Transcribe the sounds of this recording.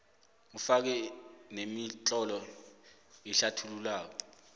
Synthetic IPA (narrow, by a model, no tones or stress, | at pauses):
ufak̬ɛnemit͡ɬʼɔlɔ | iɬatʰululaːk̬ɔ